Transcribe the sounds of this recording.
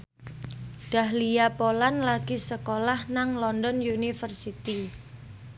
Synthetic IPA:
ɖ̥ahlijapolanlaɡ̥isəkolahnaŋlɔndɔnjunifərsit̪i

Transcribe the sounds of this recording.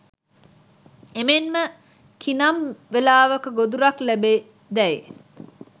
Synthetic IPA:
emenmə | kʰinɐmʋelaːʋɐkəɡod̪uɾɐklæbe | d̪ɛe

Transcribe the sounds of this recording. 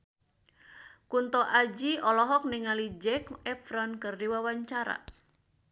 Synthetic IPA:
kunt̪ɔʔad͡ʒiʔɔlɔɦɔk̚niŋalid͡ʒɛkɛfɾɔnkɨrdiwawaɲt͡ʃaɾa̰

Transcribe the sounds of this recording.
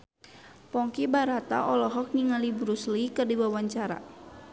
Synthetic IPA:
pɔŋkibaɾat̪a̰ʔɔlɔɦɔk̚niŋalibɾuslikɨrdiwawaɲt͡ʃaɾa̰

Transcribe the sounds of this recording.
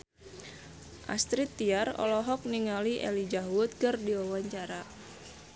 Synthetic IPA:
ʔa̰st̪ɾit̪ːiarɔ̰lɔɦɔk̚niŋaliʔɛ̰lid͡ʒaɦwut̪̚kɨrdiwawaɲt͡ʃaɾa

